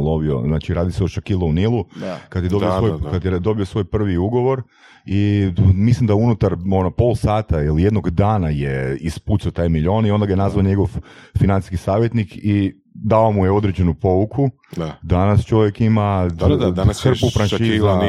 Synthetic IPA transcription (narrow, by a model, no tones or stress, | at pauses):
loʋio̰znat͡ʃiɾaːd̪iseoʃakilˠounilˠukad̪jed̪ob̪iossojkad̪jed̪o̞bijosʋo̞jpr̩ʋiuɡo̞ʋo̞ɾ | imislimd̪aunut̪aɾonopo̞lˠsaːt̪ailijed̪no̞ɡd̪aːnajeisput̪saot̪ajmiʎo̞ːnio̞nd̪aɡajenazʋaoɲe̞ɡo̞ʋfinant̪i̥skisaːʋjet̪nikʰi | d̪aomujeo̞d̪ɾed͡ʑenupo̞ʋukʰu | d̪anast͡ʃo̞ʋjekimaasr̩pufɾanʃiiza